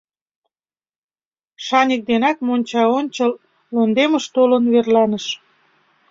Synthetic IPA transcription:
ʃɑnʲik̚d̪enɑkmonʲt͡ɕɑonʲt͡ɕəlː | ond̪eməʃt̪olənβerlɑnəʃ

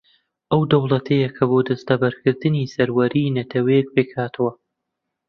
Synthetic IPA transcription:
ʔɐwd̪ɐwlˠɐt̪ʰɐjɐkʰɐboːd̪ɐst̪ɐbɐɾkɨɾd̪ɨnisɐɾwɐɾiːnɐt̪ʰɐwɐjɛk̚peːkʰaːt̪ʰɨwɐ

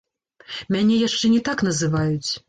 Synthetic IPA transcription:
mʲanʲɛjaʂt͡ʂɛnʲɛt̪akn̪ɐzɨvajut͡sʲ

